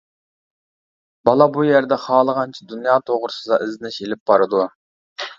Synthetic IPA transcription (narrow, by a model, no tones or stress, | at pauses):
bɑlˠɑbujæɾd̪ɛχɑːlˠəʁɑnt͡ʃʰɛd̪unjɑːt̪ʰoʁɾʊsɨd̪ɑʔɪzɪnɪʃelɪp̚bɑɾɨd̪u